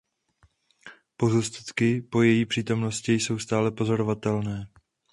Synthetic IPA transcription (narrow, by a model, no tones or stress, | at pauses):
po̞zust̪ḁt̪kɪpo̞jɛjiːpr̝̥iːt̪o̞mno̞scɪjso̞wst̪aːlɛpo̞zo̞ɾo̞vat̪ɛlnɛː